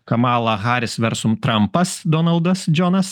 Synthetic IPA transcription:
kɐmɑːlˠɐɣɑːɾʲɪsʋʲɛɾsʊmt̪ɾɐmpɐsd̪oːnɐlˠd̪ɐsd͡ʒʲɔːnɐs

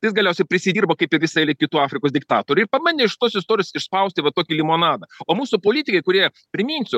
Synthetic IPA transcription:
jɪsɡɐlʲɛʊsʲɛɪpʲɾʲɪsʲɪd̪ʲiːrboːkɐɪpɪʋʲɪsɐɛlʲɪkʲɪt̪uːɑːfʲɾʲɪkoːsd̪ʲɪk̚t̪ɑːt̪oːɾʲʊɪpɐmɐnʲeɪʃt̪oːsɪst̪oːɾʲjoːsɪʃspɐʊsʲt̪ʲɪʋɐt̪oːkʲilʲɪmoːnɑːd̪ɐoːmuːsʊpoːlʲiːt̪ʲɪkɐɪkʊɾʲiɛ | pʲɾʲɪmʲiːnʲsʲʊ

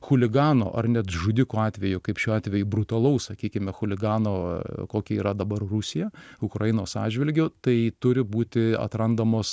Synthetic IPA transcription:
xʊlʲɪɡɑːno̰ːʔɐ̰rnʲɛt̪ʒʊd̪ʲɪkoːɑːt̪ʲʋʲɛjʊkɐɪpʃʲuːɑːt̪ʲʋʲɛjʊbɾʊt̪ɐlˠɐʊssɐkʲiːkʲɪmʲɛxʊlʲɪɡɑːnoːkoːkʲɛiːɾɐd̪ɐbɐrrʊsʲɪjɛʊkɾɐjɪnoːsɑ̰ːʒʲʋʲɪlʲɡʲʊt̪ɐɪt̪ʊɾʲɪbuːt̪ʲɪɐ̰t̪ɾɐnd̪ɐmoːs

